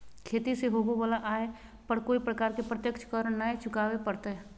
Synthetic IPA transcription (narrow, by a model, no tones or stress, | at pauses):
kʰeːt̪iseɦoːɡobaːlaʔaːe | pəɽkoːipɾəkaːɾkepɾət̪jəkʃʰkəɾnaet͡ʃʰʊkaːwepəɽt̪aɦɛː